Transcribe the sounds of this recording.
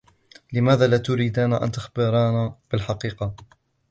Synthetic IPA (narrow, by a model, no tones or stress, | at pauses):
lɪmaːðaːlat̪ʊɾiːd̪aːnaʔa̰nt̪axbɪɾˤɑːnab̥ɪlħɑqiːqɑ